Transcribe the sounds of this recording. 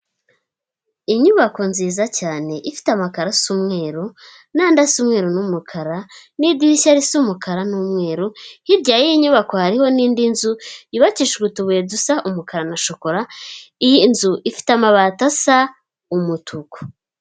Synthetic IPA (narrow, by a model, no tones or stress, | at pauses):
iɲuβako̞nziːzacaːne̞ʔifi̥tamakaɾasumŋe̞ːɾo | naːndasumŋe̞ːɾonumukʰaɾanidiʃaɾisumukaɾanuːmŋe̞ːɾohiɾɟaːjejiɲuβako̞haɾiho̞niːndinzuiβaciʃɡutuβedusaʔumukaɾanaʃoko̞ɾaijinzuʔifi̥tamaβatasa | umutʰuko̥